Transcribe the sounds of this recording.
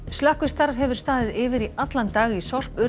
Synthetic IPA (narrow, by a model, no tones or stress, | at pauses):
stlahkʏst̪aɾvhɛvʏɾ̥st̪aːðɪðɪːvɪɾiʔat̪lant̪aːɣisɔr̥pʏ